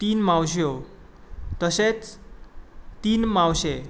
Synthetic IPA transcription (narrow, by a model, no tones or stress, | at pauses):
t̪iːnmãwɕ̬jo | t̪əset͡s | t̪iːnmãwɕe